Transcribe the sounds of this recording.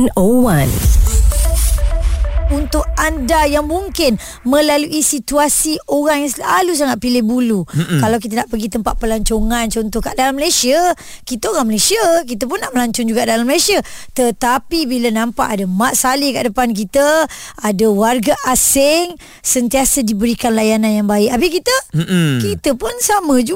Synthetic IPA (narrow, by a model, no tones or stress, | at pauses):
nowan | unt̪ʊk̚andajaŋmuŋkɪn | mə̃laluʔisit̪uasiʔoɾaŋjaŋsəlalus̬aŋat̪̚pilɪhbulukalawk̬it̪ənaʔpəɡit̪əmpaʔ̪̚pəlaɲt͡ʃoŋant͡ʃɔnt̪ɔhkaʔdalamːəlasia | kit̪əoɾaŋməlasiək̬it̪əp̬ʊnːaʔməlaɲt͡ʃɔŋd͡ʒuɡaʔdalaməlajsiat̪ət̪apibilənãmpaʔadamaʔ̪̚salika̰ʔdəpank̬it̪əadawarɡaʔasɪŋ | sənt̪iasədibəɾikanlajanãnjaŋbaɪkabɪkit̪əkit̪əpʊnsamə̃d͡ʒu